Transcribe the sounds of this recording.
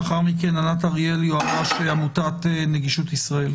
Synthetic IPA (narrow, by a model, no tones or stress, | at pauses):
aχaʁmike̞nanataʁijeljoavaʃeamutateneɡiʃut̪isʁael